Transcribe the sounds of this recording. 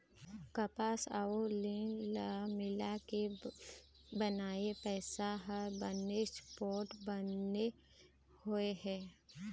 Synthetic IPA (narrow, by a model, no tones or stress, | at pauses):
kɐpaːsa̰olilamɪlake | bənaːepɛːsaɦəɾbənːespɔːɾʈbəne | hoeɦɛ̃ː